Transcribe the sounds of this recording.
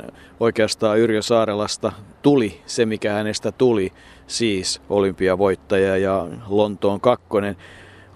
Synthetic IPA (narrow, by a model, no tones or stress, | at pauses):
oikeɑst̪ɑːyrjøsɑːɾelɑst̪ɑt̪ulisemikæhænest̪æt̪uli | siːsʔolympiɑʋoit̪ːɑjɑjɑlont̪oːŋkɑkːonen